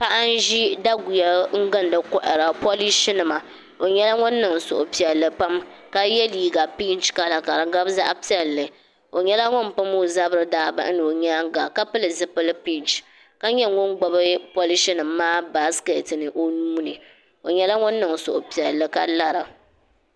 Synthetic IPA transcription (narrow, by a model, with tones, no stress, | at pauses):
pa˦ʔa˦n˦ʒi˦da˦ɡʊ˨jɛ˨ŋ̩˦ɡɨ˦n˦dɨ˦kɔ˦ʔɪ˨ɾa˨po˦li˦ʃɪ˦nɨ˨ma˨ | o˨ɲɛ˦la˦ŋʊ˦nːɨ˨ŋ˨sʊ̰˨ʔʊ˨pi˨ɛ˨lːɨ˦pa˦m | ka˦jɛ˦liː˦ɡa˨pi˦nt͡ʃka˨la˨ka˨ɾa˨ɡa˦bza̰˦ʔpi˦ɛ˨lːɨ˨ | o˨ɲɛ˦la˦ŋʊ˦m˨pɨ˦mo˦za˦bɨ˦ɾɨ˦daː˦ba̰˦ʔnɨ˨o˨ɲa˦ŋ˦ɡa˨ka˦pɨ˦lɨ˨zɨ˦pɨ˦lɨ˦pi˦nt͡ʃ | ka˦ɲɛ˦ŋʊ˦nɡ͡bɔ˦bɨ˦po˦li˦ʃɪ˦nɨ˨mː˦aː˦ba˦ske˨tɨ˨nɨ˨ʔo˦nuː˦nɨ˨ | o˨ɲɛ˦la˦ŋʊ˦nːɨ˨ŋ˨sʊ˨ʔʊ˨pi˨ɛ˨lːɨ˨˦ka˦la˨ɾɨ˨